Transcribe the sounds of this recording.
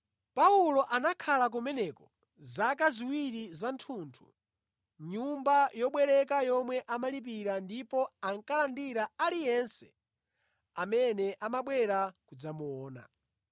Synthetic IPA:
paulɔʔanakʰalak̬umɛnɛkɔ | zak̬aziwiɾizantʰuntʰu̥̰ | ɲumbajɔɓwɛɾɛkajɔmwɛʔamalip̬iɾandipɔaŋkalandiɾaalijɛnsɛ̥̰ | amɛnɛʔamaɓwɛɾakud͡zamuɔːna̰

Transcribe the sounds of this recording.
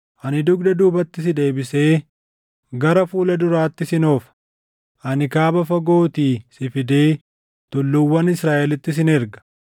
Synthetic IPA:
ʔɐnɪd̪ʊɡd̪ɐd̪uːbɐt̪ːɪs̬ɪd̪e̞ːbɪse̞ː | ɡɐɾɐfuːlɐd̪ʊɾaːt̪ːɪsɪnoːfɐ̥ | ʔɐnɪkaːbɐfɐɡo̞ːt̪iːsɪfɪd̪e̞ː | t̪ʊlːʊwːɐnɪsɾaːʔɛlɪt̪ːɪs̬ɪnɪɾɡɐ̥

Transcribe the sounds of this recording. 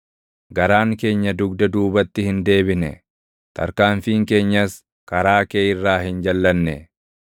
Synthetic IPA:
ɡɐɾaːŋke̞ːɲːɐd̪ʊɡd̪ɐd̪uːbɐt̪ːɪhɪnd̪e̞ːbɪnɛ̰ | t̪ʰɐ̰ɾkaːɱfiːŋke̞ːɲːɐs | kɐɾaːkeːɪrːaːhɪnd͡ʒɐlːɐnːɛ

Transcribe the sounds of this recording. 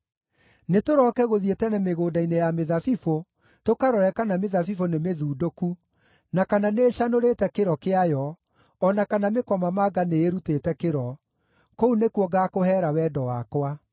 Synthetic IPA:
netoɾɔkɛɣoðietɛnɛmeɣoːdainejameðafifo | tokaɾɔɾɛkanameðafifonemeðuːdoku | nakananeɕanoɾetɛkeɾɔkeajɔː | nakanamekɔmamaɡaneːɾutetɛkeɾɔ | kounekuɔɡakohɛːɾawɛdɔwakwa

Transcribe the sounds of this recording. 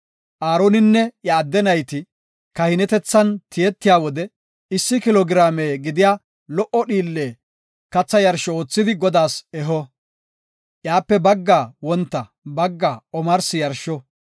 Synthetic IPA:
ʔaːɾonɪnːɛjɐːd̪ːɛnɐjt̪ɪ | kɐhɪnɛt̪ɛt͡sːɐnt̪ɪjɛt̪ːɪjaːwɔd̪ɛ | ɪsːɪkɪlɔɡɪɾaːmeːɡɪd̪ɪjaː | lɔʔɔɗiːlːeː | kɐt͡sːɐjɐɾʃɔoːt͡sːɪd̪ɪɡɔd̪aːsɛɦɔ | ʔjaːpːɛbɐɡːaːwɔnt̪ːɐ | bɐɡːaːɔmɐɾsɪjɐɾʃɔ

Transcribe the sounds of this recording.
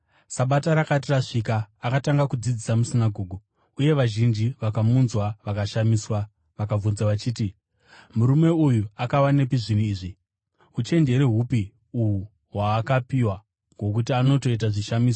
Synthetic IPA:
saɓataɾakatiraʂikaːkataŋɡakud͡zid͡zisamusinaɡʱo̞ːɡʱu | uje̞ʋaʒind͡ʒiʋakamunzwaʋakaʃamiːswa | ʋakaunzwaʋat͡ʃiːti | muɾume̞ujuakawanepiʐiniiːʐi | ut͡ʃe̞nde̞ɾeɦupi | uɦu | ɦwaːkapiwa | ŋɡo̞k̬utiano̞to̞it̬aʐiʃamiːso

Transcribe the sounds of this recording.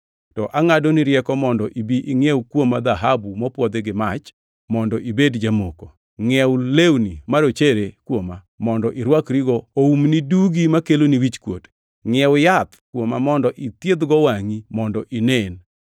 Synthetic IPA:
tɔʔaŋadoniɾjɛkɔmɔndɔʔibiʔiŋjewkwomːad̪aɦabumɔpwɔd̪eɡɪmat͡ʃ | mɔndɔʔibedd͡ʒamoko | ŋɛwlewnimaɾot͡ʃeɾekwoma | mɔndɔʔiɾwakɾiɡɔoumniduɡimakeloniwit͡ʃkwo̰t | ŋɛwjat̪kwomamɔndɔʔit̪jed̪ɡɔwaŋimɔndɔʔinen

